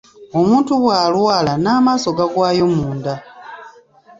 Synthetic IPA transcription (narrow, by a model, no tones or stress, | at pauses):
o̞muːntuβwaːlwaːlanaːmaːso̞ɡaɡwaːjo̞muːnda